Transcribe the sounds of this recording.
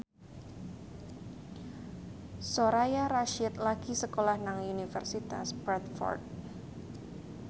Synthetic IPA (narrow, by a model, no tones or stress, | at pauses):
soɾajaɾaʃɪt̪̚laɡ̥isəkolahnaŋunifə̰rsit̪a̰sbɾɛt̪̚fɔ̰rt̪̚